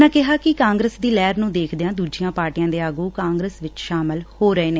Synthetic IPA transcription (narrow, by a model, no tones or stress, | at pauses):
ãːkɪɦaːkɪkãːŋɡɾəsd̪iːlɛːɾnũːd̪eːkʰd̪eãːd̪uːd͡ʒijãːpaːɾʈijãːd̪eːaːɡuːkãːŋɡɾəsʋɪt͡ʃʃaːmɪlhoːɾəeːneː